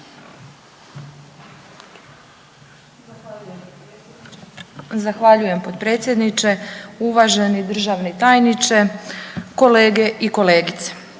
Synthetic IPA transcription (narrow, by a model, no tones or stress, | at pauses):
zaxʋaʎuje̞mpod̪̚pɾe̞ːt̪sje̞d̪nit͡ʃe̞uʋaʒenid̪r̩ʒaʋnit̪aːjnit͡ʃe̞ko̞leːɡeʔiko̞leːɡit̪se̥